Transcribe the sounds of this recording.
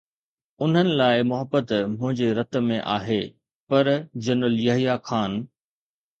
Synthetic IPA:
ʊn̤ənɪ̆laːɪmʊɦəbːət̪mʊ̃ɦɪ̃ɲd͡ʑeɾɐt̪mẽʔaːɦeː | pɐɾd͡ʑɐnʊljɐɦijakʰaːn

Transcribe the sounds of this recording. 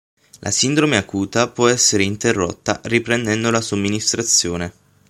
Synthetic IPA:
lʔa̰sind̪ɾomeakuːt̪apwɔɛsːeɾeint̪erːo̰t̪ːa̰ripɾend̪ɛnd̪olasomːinist̪ɾat̪sːjoːne

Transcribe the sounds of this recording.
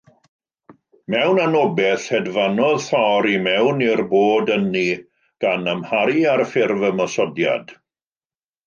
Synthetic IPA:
mɛwnanɔbɛθhɛdvanɔðθɔɾimɛwnirboːdənːi | ɡ̥anəmhaɾiarfɪrvəmɔsɔdja̰d̥

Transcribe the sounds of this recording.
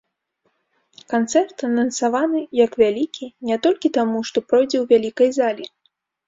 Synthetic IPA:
kant̪sɛrt̪ɐnɐnsavanɨjɐkvʲalʲikʲʰinʲɛt̪ɔlʲkʲit̪amuʂt̪ɔpɾɔjd͡zʲɛwvʲalʲikɐjzalʲi

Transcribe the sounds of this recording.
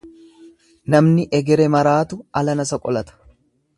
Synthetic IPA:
nɐmnɪʔɛɡɛɾɛmɐɾaːt̪ʊʔɐlɐnɐsɐkʼɔlɐt̪ɐ̥

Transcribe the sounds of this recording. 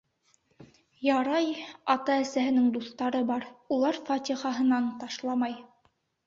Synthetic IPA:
jɑɾɑjɑt̪ɑæsæɦɘ̆nɘŋd̪uθt̪ɑɾɤbɑɾulˠɑɾfɑt̪ʲiχɑɦɤ̆nɑnt̪ɑʃlˠɑmɑj

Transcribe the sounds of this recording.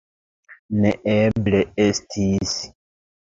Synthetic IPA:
neʔebleestʰis

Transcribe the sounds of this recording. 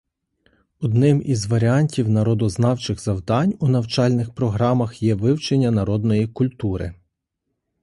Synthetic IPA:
ɔd̪nɪmizʋɐɾʲiɑnʲtʲiwnɐɾɔd̪ɔznɑwt͡ʃɪɣzɐwd̪ɑnʲunɐwt͡ʃɑlʲnɪxpɾɔɦɾɑmɐxjɛʋɪwt͡ʃenʲːɐnɐɾɔd̪nɔjikʊlʲt̪uɾɪ̰

